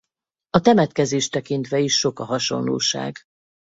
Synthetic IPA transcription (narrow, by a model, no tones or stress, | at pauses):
ɒt̪ɛmɛt̪kɛzeːʃt̪ɛkint̪ʋɛiʃːo̞kɒɦɒʃo̞̰nlo̰ːʃa̰ːɡ